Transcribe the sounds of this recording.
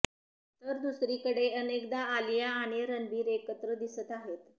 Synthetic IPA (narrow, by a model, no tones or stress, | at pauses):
t̪əɾd̪usɾikəɽeənekd̪aːljaːɽ̃eɾənbiːɾekət̪ɾəd̪isət̪aɦet̪